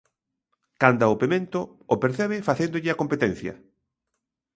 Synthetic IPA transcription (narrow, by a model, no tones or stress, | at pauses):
kand̪ɐʊpemẽnt̪ʊ | opeɾθɛβɪfaθend̪ʊʎɪɐkompet̪ɛn̟θjɐ̰